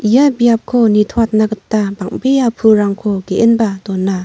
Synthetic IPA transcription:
ijabijap̚kʰonitʰwat̚naɡɯtːabaŋ̚bejapʰuɾaŋkʰoɡeʔenbadɔnːa

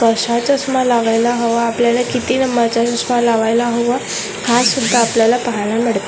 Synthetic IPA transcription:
kəɕat͡ɕəsmalaʋajlaɦoʋaːpljalakit̪inəmːat͡ɕaəsmalaʋajlaɦoʋa | hasud̪ʱːaːpljalapəɦaɭ̃ãmiɽt̪a

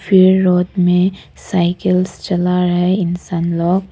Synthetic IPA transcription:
fɪɾːoːd̪mẽ | saːɪkəlst͡ʃɐlaɾɐɦeɪnsaːnlɔːɡ

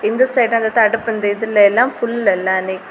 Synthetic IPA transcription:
ɪnd̪ɐsɐɪʈɐ̃ɐnd̪ɐt̪ɐɽɯpːɯnd̪ɐɪðɪlːɐɛlːãːfʊlːlɛlːãːnik

